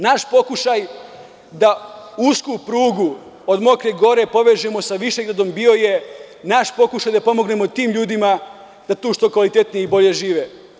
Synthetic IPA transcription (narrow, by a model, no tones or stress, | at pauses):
naʃpo̞kuʃaj | d̪auskupɾuːɡu | od̪mo̞kɾeɡo̞ɾe̞po̞ʋed͡ʒemo̞saʋiʃeɡɾad̪ombio̞je̞naʃpo̞kuʃajd̪apo̞mo̞ɡne̞mo̞t̪iːmʎuːd̪ima | d̪at̪uːʃt̪o̞kʋalit̪e̞t̪nijeibo̞ʎe̞ʒiːʋe